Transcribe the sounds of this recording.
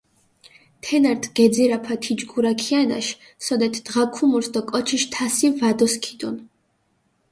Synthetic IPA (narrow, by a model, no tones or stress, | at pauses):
t̪ʰɛnaɾt̪ʰɡɛd̪ziɾapʰat̪ʰid͡ʒɡuɾakʰiana̰ʃ | sɔd̪ɛt̪ʰd̪̥ʁakʰumuɾsd̪ɔkʼɔt͡ʃʰiʃt̪ʰasivad̪ɔskʰid̪ɔn